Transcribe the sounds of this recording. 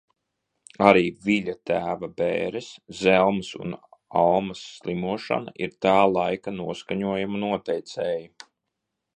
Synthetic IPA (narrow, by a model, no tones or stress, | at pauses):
aɾiːviʎʲat̪æːvabḛːɾɛszɛlˠmsṵnalˠmɐsːlˠimuɔʃa̰na̰ʔiɾt̪ɑːlˠajkanuɔskaɲuɔjamanuɔt̪ɛjt̪sɛːju